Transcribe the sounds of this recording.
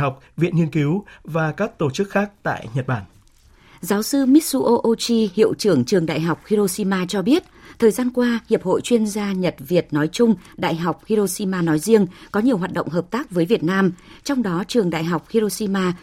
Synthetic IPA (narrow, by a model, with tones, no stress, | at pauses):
a˨˩wk͡p̚vḭ˧˨ənŋi˧ənki˨˦wvaː˨˩kaː˦˥k̚t̪o˧˩t͡ɕɨ˦˥k̚xaː˦˥k̚t̪a̰ː˧˨jɲə˨˩t̚ɓaː˧˩n | zaː˨˦wsɨ˧mi˦˥t̚su˧ʔo˧ʔo˧t͡ɕi˧hḭ˧˨əwt͡ɕɨ˧˩əŋt͡ɕɨ˨˩əŋɗa̰ː˧˨jɦa˨˩wk͡p̚xi˧ɾo˧si˧maː˧t͡ɕɔ˧ɓi˦˥ət̚t̪ʰəː˨˩jzaː˧nkwaː˧hi˨˩əp̚ho̰˧˨jt͡ɕwi˧ənzaː˧ɲə˨˩t̚vi˨˩ət̚nɔ˨˦jt͡ɕʊ˧ŋ͡mɗa̰ː˧˨jɦa˨˩wk͡p̚hi˧ɾo˧si˧maː˧nɔ˨˦jzi˧əŋkɔ˨˦ɲi˨˩əwɦaː˨˩t̚ɗə̰˧˨ŋ͡mɦəː˨˩p̚t̪aː˦˥k̚vəː˨˦jvi˨˩ət̚naː˧mt͡ɕɔ˧wŋ͡mɗɔ˨˦t͡ɕɨ˨˩əŋɗa̰ː˧˨jɦa˨˩wk͡p̚xi˧ɾo˧si˧maː˧